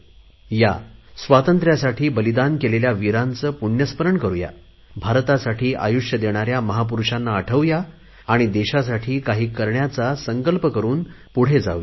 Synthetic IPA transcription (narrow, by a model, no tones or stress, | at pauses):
ja̰sʋat̪ənt̪ɾjasaʈʰiːbəlid̪ankeleljaʋiɾant͡səːpuɳjəspəɾəɳkəɾuja̰ | bʱaɾt̪asaʈʰiːʔa̰juʂjəd̪eɽ̃aɾjaməɦap̬uɾuʂanːaəʈʰəʋjaː | ɽ̃id̪eɕas̬aʈʰiːkaɦiːkəɾɳjat͡sasəŋkəlpəkəɾuːn | puɽ̤ed͡za̰ʋja